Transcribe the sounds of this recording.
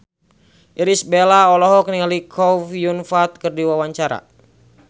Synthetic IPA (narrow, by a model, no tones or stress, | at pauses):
ʔiɾisbelaɔlɔɦɔk̚nialikʰɔfjunfat̪̚kɨrdiwawaɲt͡ʃaɾa̰